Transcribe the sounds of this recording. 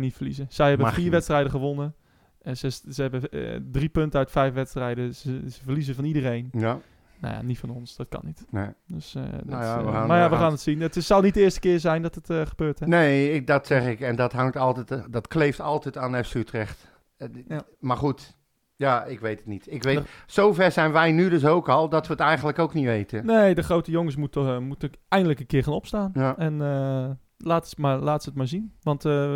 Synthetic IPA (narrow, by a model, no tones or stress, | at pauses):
nitfərlizəsɛjhɛbəfiːɹʋɛtstrɛjdəχəʋonə | səsəhɛbədripøntəœɥtfɛjfʋɛtstrɛjdəsəsəfərlizəfɔnidərejn | no̰ja̰nitfɔnonsd̥ɔt̚kɑ̰nitdøsdɔəamajaʋəxaːnətsinətsɑlˠnit̚dəɪːstə̥kɪːzɛjndɔtətχəbøːrtʰɛneːɪdɔtsɛxɪkɛndɔthaŋtɔlˠtɛtdɔtkleːftɔlˠtɛtaːnɛfsytrɛxt | marχut | jaːɪkʋejtətnitɪkʋesofɛrsɛjnʋɛjnydøs̬owkɔlˠdɔtʋəətɛjxəndləkowkniʋejtʰəneːdəxrowtəjoŋəs̬mutmutəɛjndələkənkɪərχaːnɔpstaːnɛnə | laːtəsmalaːtsətmaɹzinʋɑnt